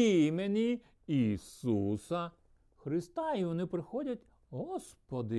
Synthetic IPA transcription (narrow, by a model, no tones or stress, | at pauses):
imenʲi | isusɐ | xɾɪst̪ɑiʋɔnɪpɾɪxɔdʲɐtʲ | ɦɔspɔd̪ɪ